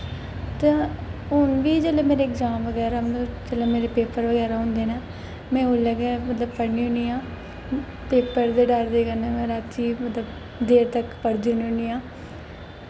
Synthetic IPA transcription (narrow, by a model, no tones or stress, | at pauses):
t̪ãːɦʊnʋiːd͡ʒəleːmeːɾeɪkzãːmʋəɡɛːɾaːmd͡ʒəlẽːmeːɾeːpeːpəɾʋəɡɛːɾaːɦʊ̃nd̪eːnaː | mɛ̃ːʊləɡeːmət̪ləbpəɽniːɦʊ̃niːãː | peːpəɾd̪eːɖəɾd̪eːkənːmɛ̃ːɾaːt̪ʰiːmət̪ləb | d̪eːɾt̪əkpəɽd̪iːuniːʊ̃niːãː